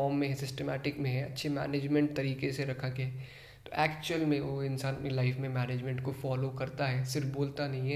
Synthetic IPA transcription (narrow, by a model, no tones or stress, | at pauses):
ɔːmːẽɦɛ̃sɪsʈemɛːʈɪkmẽɦɛ̃ɐtːʃʰemɛ̰ːneːd͡ʒmẽɳʈ̚t̪ɐɾiːkeseɾɐkʰakeɛ | t̪o̰ːʔɛːkt͡ʃuəlmẽoːɪ̃nsaːnɐpnilaɪfmẽmɛːneːd͡ʒmẽɳʈkofɔːlokɐɾt̪aɦɛːsɪɾfboːlt̪anɐɦĩɦɛ